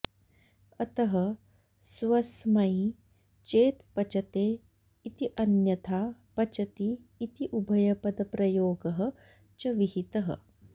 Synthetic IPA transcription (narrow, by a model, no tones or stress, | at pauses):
ɐt̪ɐɦɐ | sʋɐsmɐi | t͡ʃeːt̪pɐt͡ʃɐt̪eː | it̪iʔɐnjɐt̪ʰaːpɐt͡ʃɐt̪iːt̪iʔubʱɐjɐpɐd̪ɐpɾɐjoːɡɐɦɐ | t͡ʃɐʋiɦit̪ɐɦɐ̰